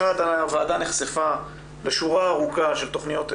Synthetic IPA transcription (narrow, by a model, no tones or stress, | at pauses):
ad̪anaveːdaneχsefa | leʃuʁaːʁukaʃelt̪o̞χnijo̞t